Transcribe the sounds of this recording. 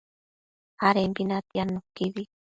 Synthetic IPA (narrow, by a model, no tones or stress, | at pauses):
aɾempinat̪ianokiβi